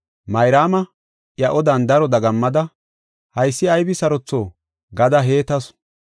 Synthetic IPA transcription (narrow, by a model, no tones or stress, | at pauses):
mɐjɾaːmɐ | ʔjɐʔɔd̪ɐnd̪ɐɾɔd̪ɐɡɐmːɐd̪ɐ | hɐjsːɪɐjbɪsɐɾɔt͡sːoː | ɡɐd̪ɐɦe̞ːt̪ɐs